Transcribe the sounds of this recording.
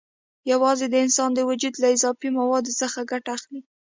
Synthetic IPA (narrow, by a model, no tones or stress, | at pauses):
jawɑzed̪əɪnsɑnd̪əwad͡ʒud̪laɪzɑfimawɑd̪osəxaɡaʈaːxli